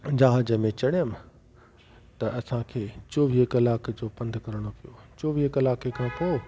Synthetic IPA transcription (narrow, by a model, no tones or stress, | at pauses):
d͡ʑaːɦəd͡ʑəmẽt͡ɕɐɽijəm | t̪ɐʔɐsãkʰeːt͡ɕoːʋikɐlaːkd͡ʑoːpɐ̃nd̪ʱkɐɾɽ̃opijot͡ɕoːʋikɐlaːkekʰãːpoː